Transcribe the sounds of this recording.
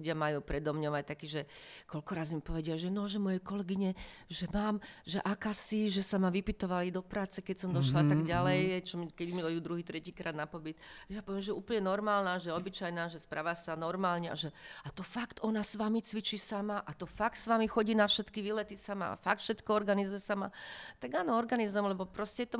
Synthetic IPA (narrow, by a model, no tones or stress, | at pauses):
uɟɪamajuːpɾɛd̪ɔmɲɔʋac̚t̪akiːʒɛkɔlkɔɾaːzmipɔʋɛɟɪaʒɛnɔʒɛmɔjɛkɔlɛɡiɲɛʒɛmaːmʒɛʔakaːsiʒɛsamaʋipit̪ɔʋalid̪ɔpɾaːt͡sɛkɛcsɔmd̪ɔʃlat̪aɡɟalɛjt͡ʃɔmikɛɟmidɔjuːd̪ɾuɦiːt̪ɾɛciːkɾaːd̪napɔbit̪ɛjapɔʋiɛmʒɛjɛuːpl̩ɲɛnɔɾmaːlnaːʒɛjɛɔbit͡ʃajnaːʒɛspɾa̰ːʋasanɔɾmaːlɲɛa̰ʒɛat̪ɔfakt̪ʔɔnasʋamit͡sʋit͡ʃisamaʔat̪ɔfakt̪sʋamixɔɟiːnafʃɛt̪kiʋilɛt̪isama̰a̰fakt̪fʃɛt̪kɔɔɾɡanizujɛsama̰t̪aɡaːnɔɔɾɡanizujɛmlɛbɔpɾɔscɛɛt̪ɔ